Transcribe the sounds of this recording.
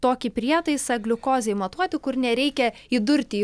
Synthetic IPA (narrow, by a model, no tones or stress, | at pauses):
t̪oːkʲɪpʲɾʲiɛt̪ɐɪsɐɡlʲʊkoːzʲɛɪmɐt̪uɔt̪ʲɪkʊɾnʲɛɾʲɛɪkʲɛid̪ʊɾʲt̪ʲɪ